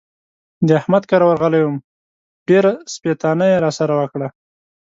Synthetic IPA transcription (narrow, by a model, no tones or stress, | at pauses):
d̪əahmad̪kɑɾawaɾɣəlawum | ɖ̥eɾaspet̪ɑnajeɾɑsaɾawəkɽa